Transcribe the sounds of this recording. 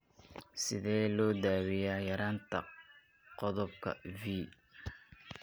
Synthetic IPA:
sɪðɛːlɔːd̪aːwɪjaːjɐɾaːnt̪ʰɐ̰ | qɔðɔbkʰɐ̰viː

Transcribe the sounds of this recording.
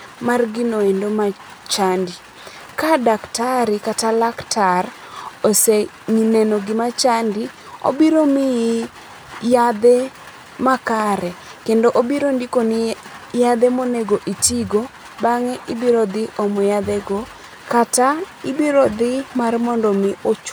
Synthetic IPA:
marɡɪnoendoma | t͡ʃandi | kadaktaɾɪkatalaktʰarose | ŋinɛnoɡɪmat͡ʃandi | o̰biɾomɪ | jad̪e | makaɾɛ | kendoʔobiɾondikonɪ | jad̪emoneɡoʔitiɡo | baŋɛʔɪbiɾod̪ɪʔɔmɔjad̪eɡo | kataɪbiɾod̪ɪmarmɔndomɪʔot͡ʃ

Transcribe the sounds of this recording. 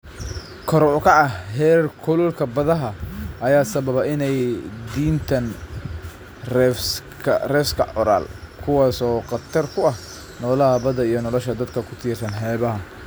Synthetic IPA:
kʰɔɾɔkʰɐʔɐhhɛːrkʰʊlɔlkʰɐbɐðɐɦɐʔɐjaːsɐβɐβɐʔɪnɛjd̪iːnt̪ʰɐn | rɛfs | kʰɐrɛːfskʰɐʕɔɾa̰ːlkʰʊwaːsɔːqɑt̪ʰɐrkʰʊɐh | nɔːlɐɦɐbɐðɐijɞnɔlɔʃɐd̪ɐd̪kʰɐkʰʊt̪ʰiːrsɐnħɛːβɐɦɐ

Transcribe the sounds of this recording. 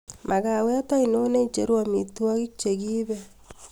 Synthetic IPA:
maɣaweatainoneit͡ʃeɾuamituaɣit͡ʃeɣiːβɛ

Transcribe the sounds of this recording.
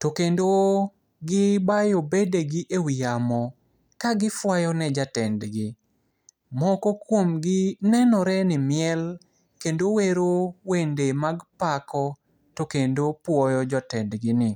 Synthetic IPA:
tokendo | ɡɪbajobedeɡɪʔewijamɔ | kaɡɪfwajɔnɛd͡ʒatɛndɡɪ | mɔkɔkwomɡɪnɛnɔɾɛnɪmɪɛl | kendoweɾowendemaɡpakɔ | tokendopwɔjɔd͡ʒɔtɛndɡɪnɪ

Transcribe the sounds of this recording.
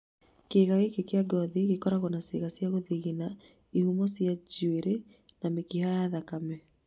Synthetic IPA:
keːɣaɣekekeaɡɔðiɣekɔɾaɣɔnasḛɣasjaɣoðiɣina | ihumɔsjad͡ʒueɾe | namekihajaðakamɛ

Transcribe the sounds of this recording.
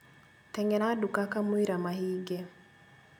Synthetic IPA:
t̪ɛŋɡɛnadukakamuiɾamahiɡɛ

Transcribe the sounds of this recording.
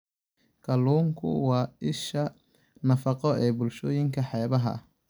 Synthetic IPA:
kʰɐluːŋkʰʊ̰wɑːɪʃɐ | nɐfɑqɔɛːbʊlʃɔːjɪŋkʰɐħɛːβɐɦɐ̰

